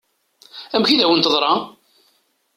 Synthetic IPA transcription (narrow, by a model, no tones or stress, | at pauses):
æmçiðæwənt̪ðˤɾˤɑ